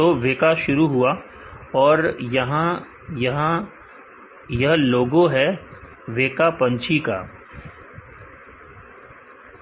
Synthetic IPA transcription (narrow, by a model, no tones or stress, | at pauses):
oʋeːkaʃʊɾuɦʊa | ɔːɾjɐɦã | jɦã | jɐɦloːɡõɦɛ | ʋeːkapɐ̃ɲt͡ʃʰika̰ː